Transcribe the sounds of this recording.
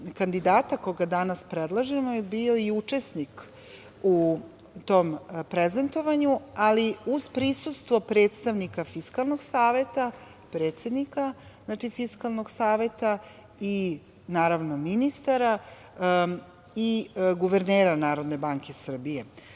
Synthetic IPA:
kand̪id̪aːt̪akoɡad̪anaspɾed̪lˠaʒemojebio̞iut͡ʂe̞snik | u | t̪o̞mpɾeze̞nt̪o̞ʋaɲualiuzpɾisust̪ʋopɾe̞ːt̪st̪aʋnikafiskalˠnoɡsaːʋe̞t̪a | pɾeːt̪se̞d̪nikaznaːt͡ʃifiskalˠno̞ɡsaːʋe̞t̪a | i | naːɾaʋno̞minist̪aɾa | iɡuʋeɾneːɾanaːɾo̞d̪ne̞baŋke̞sr̩bije̞

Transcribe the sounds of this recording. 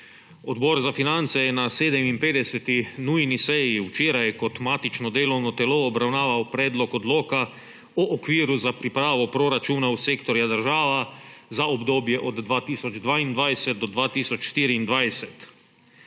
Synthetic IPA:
od̪boɾzafinant̪sɛjɛnaseːd̪ɛminpeːd̪ɛsɛt̪inuːjnisejiut͡ʃeɾajkot̪maːt̪it͡ʃnɔd̪eːlownot̪ɛloobɾawnaːʋawpɾɛːd̪lokod̪loːka | oʔokʋiːɾuzapɾipɾaːʋopɾoɾat͡ʃuːnausekt̪oɾjad̪əɾʒaːʋazaobd̪oːbjɛʔod̪d̪ʋaːt̪iːsod͡ʒd̪ʋaːind̪ʋaːjsɛt̪̚d̪od̪ʋaːt̪iːsot͡ʃʃt̪iːɾiːnd̪ʋajsɛt̪

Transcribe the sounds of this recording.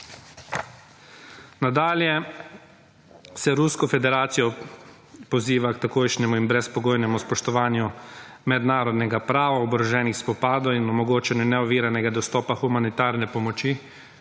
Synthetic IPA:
nad̪aːljɛ | sɛɾuskɔfɛd̪ɛɾaːt̪sijɔ | pɔwziːʋakt̪akoːjʃnʲɛmuinbɾɛspɔɡoːjnɛmuspɔʃt̪ɔʋaːnjumɛd̪naːɾɔd̪nɛɡapɾaːʋaɔbɾɔʒɛːnixspɔpaːd̪ɔinɔmɔɡoːt͡ʃɛnjunɛɔʋiːɾanɛɡad̪ɔst̪ɔːpaxumanit̪aːɾnɛpɔmɔt͡ʃi

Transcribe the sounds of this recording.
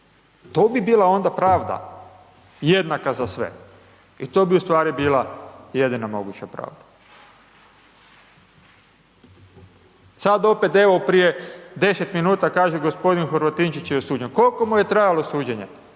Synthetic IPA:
t̪oːbibiːlao̞nd̪apɾaːʋd̪a̰ | je̞d̪nakazasʋe̞̰ | it̪o̞ːbiust̪ʋaːɾibiːlˠaje̞d̪inamo̞ɡut͡ɕapɾa̰ːʋd̪ḁ | sad̪o̞pet̪e̞ʋopɾijed̪e̞set̪minuːt̪akaːʒeɡo̞spo̞d̪inxoɾʋat̪int͡ʃit͡ɕjeosuːd͡ʑe̞nkolko̞muje̞t̪ɾajalo̞suːd͡ʑe̞ɲe

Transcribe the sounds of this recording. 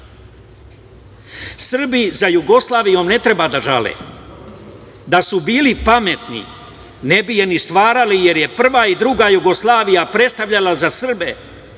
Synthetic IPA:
sr̩bizajuɡo̞slˠaːʋijo̞mne̞t̪ɾe̞bad̪aʒa̰lḛː | d̪asubiːlipame̞t̪nḭ | ne̞bijenist̪ʋaːɾalije̞ɾje̞pr̩ʋaid̪ɾuɡajuɡo̞slˠaːʋijapɾe̞t̪st̪aʋʎalazasr̩be

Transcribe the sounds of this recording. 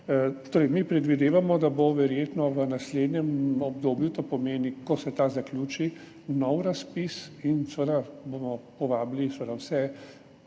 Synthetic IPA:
t̪oːɾɛɪmipɾɛd̪ʋid̪eːʋamɔd̪aboʋɛɾjeːt̪nɔʋənasleːd̪njɛmɔbd̪oːbjut̪oːpɔmeːnikɔsɛt̪aːzaklʲuːt͡ʃi | nɔwɾaspisinsʋəd̪abomɔpɔʋaːblisʋəd̪awsɛ

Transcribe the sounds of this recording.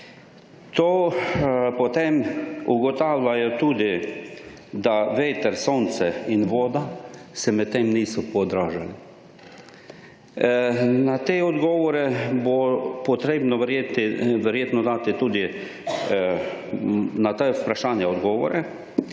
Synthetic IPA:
t̪oː | pɔt̪emuɡɔt̪aːwlʲajɔt̪uːd̪i | d̪aʋeːt̪ɛɾsoːnt̪sɛinʋoːd̪asɛmɛt̪̚t̪ːemniːsɔpɔd̪ɾaːʒali | nat̪eːɔd̪ɡɔːʋɔɾɛbopɔt̪ɾeːbnɔʋɾjet̪ʋɛɾjeːt̪nɔd̪aːt̪it̪ud̪i | nat̪aupɾaʃaːnjaɔd̪ɡɔːʋɔ̰ɾɛ

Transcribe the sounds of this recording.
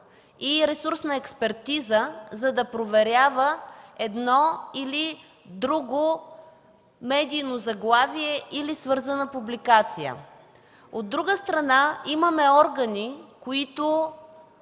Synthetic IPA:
iɾɛsuɾsnəɛkspɛɾt̪izəzɐd̪ɐpɾovɛɾʲavəɛd̪nɔili | d̪ɾuɡo | mɛd̪iːnozɐɡlˠaviɛʔilisvɤɾzɐnəpublikat̪sijə̰ | od̪ːɾuɡəst̪ɾɐnaiməmɛɔɾɡənikoit̪ʊ

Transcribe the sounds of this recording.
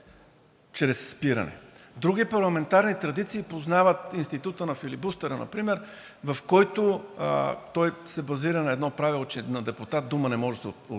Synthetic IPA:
t͡ʃɾɛsːpiɾɐ̰nɛ̰d̪ɾuɡ̟ipɐɾlˠɐmɛnt̪aɾnit̪ɾɐd̪it̪siːpoznavət̪inst̪it̪ut̪ənɐfilibust̪ɛɾənɐ̰pɾimɛɾ | vɐfkɔjt̪ʊ | t̪ɔjsɛbɐziɾənɐɛd̪nɔpɾavilˠot͡ʃɛnɐd̪ɛpʊt̪at̪̚d̪umənɛmɔʒɛsɛ

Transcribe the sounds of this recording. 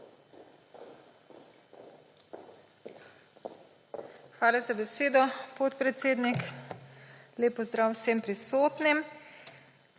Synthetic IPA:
xʋaːlazabɛseːd̪ɔpot̪pɾɛt̪seːd̪nik | leːpɔzd̪ɾaːwsempɾisoːt̪nim

